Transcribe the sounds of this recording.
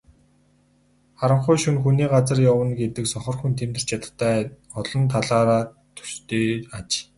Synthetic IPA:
χaɾə̆ɴχʊjʃunxuniːɢat͡sə̆rjawə̆nɡet̪ɘ̆ksɔχɞ̆rxunt̪ʰemt̪ɘ̥̆t͡ɕjat̪ə̥̆t̪ʰːæː | ɔɮɞ̆nt̪ʰaɮaːɾaː | t̪ʰɵ̥st̪eːat͡ɕ

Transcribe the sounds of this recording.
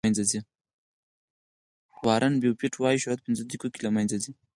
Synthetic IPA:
nzazi | wɑɾanbewpiʈʰwɑjiʃuat̪̚pɪnzəd̪ɾikokilamanzazi

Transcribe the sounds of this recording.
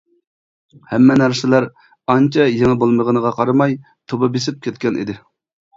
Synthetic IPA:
hɛmːɛnæɾsɪlæɾ | ɑnt͡ʃʰɑjeŋɛbolˠməʁənəʁɑqʰɑɾɑmɑj | t̪ʰobɑbesɪp̚kʲʰɛt̪̚kʲɛnḭd̪ɪ

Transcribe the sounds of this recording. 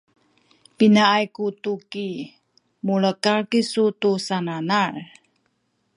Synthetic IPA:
pinaajkutuki | muɭəkaɭkisutusananar

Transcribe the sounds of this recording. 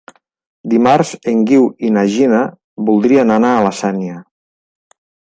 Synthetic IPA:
d̪imaɾzeŋɡiwinaʒina | βulˠd̪ɾiananaːlasaniə

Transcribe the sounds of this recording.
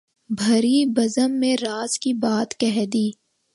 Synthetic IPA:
bʱɐɾibɐzəmːẽɾaːzkibaːt̪kɛɦd̪iː

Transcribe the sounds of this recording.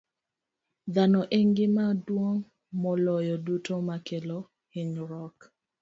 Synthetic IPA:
d̪anɔʔeŋɡɪmadwoŋ | mɔlɔjɔdutomakelo | hɪɲɾɔk

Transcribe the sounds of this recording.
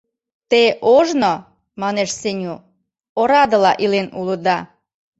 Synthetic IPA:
t̪eʔoʒno | mɑneʃsenʲu | oɾɑd̪ə̆lɑʔilenulə̆d̪ɑ

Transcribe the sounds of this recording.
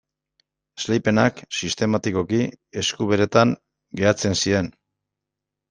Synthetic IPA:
slejpe̞naksist̪e̞mat̪iko̞kie̞skuβeɾe̞t̪aŋ | ɡe̞at͡se̞nsie̞n

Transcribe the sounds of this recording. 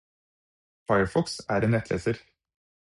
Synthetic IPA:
fɑɪəɹfɔksæːɾeːnɛt̪lḛːsəɾ

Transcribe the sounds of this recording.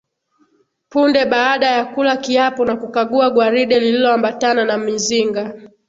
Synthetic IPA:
pundɛɓaːɗajakulakiapɔnakukaɠuaɡwaɾiɗɛlililɔambatananamiziŋɡa

